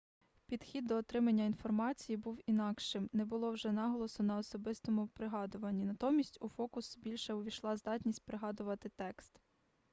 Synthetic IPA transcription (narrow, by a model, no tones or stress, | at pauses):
pʲid̪xʲid̪ːɔːt̪ɾɪmɐnʲːɐinfɔrmɑt͡sʲijibuwinɑkʃɪmnɛbʊlˠɔwʒɛnɑɦɔlˠɔsʊnɐɔsɔbɪst̪ɔmʊpɾɪɦɑd̪ʊʋɐnʲːinɐt̪ɔmʲisʲtʲufɔkʊsʊbʲilʲʃɛʊʋʲiʃlˠɑzd̪ɑtʲnʲisʲt̚ʲpɾɪɦɑd̪ʊʋɐt̪ɪt̪ɛkst̪